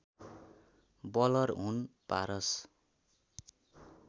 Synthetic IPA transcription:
bʌlʌrɦunpa̰ɾʌs

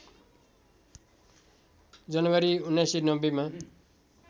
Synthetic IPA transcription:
d͡zʌnʌwaɾiunːajsinʌbːʌma

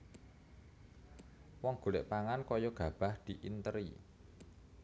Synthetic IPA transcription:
wɔŋɡ̥ṳlɪ̰ʔpaŋankɔjɔɡ̥a̤b̥a̤hd̪̥i̤ʔint̪əɾḭ

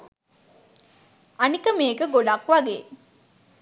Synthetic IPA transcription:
ɐnikəmeːɡəɡoɖakʋɐɡḛː

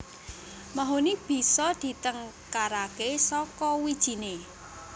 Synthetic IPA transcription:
maɦonib̥i̤sɔd̪̥i̤t̪əŋ | kaɾakesɔkɔwid̥ʒ̥i̤ne

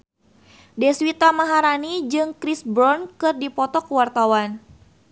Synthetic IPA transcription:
dɛswit̪amaɦaɾanid͡ʒɨŋkɾisbɾɔnkɨrdipɔt̪ɔkəwart̪awan

